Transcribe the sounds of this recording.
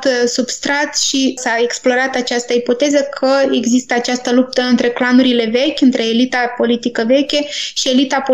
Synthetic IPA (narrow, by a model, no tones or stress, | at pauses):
t̪subst̪ɾat̪ʃisae̞ksplo̞ɾat̪at͡ʃast̪əipo̞t̪e̞zəkʰəe̞ɡzist̪əat͡ʃast̪əlup̚t̪əɨnt̪ɾe̞klanuɾile̞ve̞kʲɨnt̪ɾe̞ːlit̪apo̞lit̪ikəve̞kʲeʃie̞lit̪apo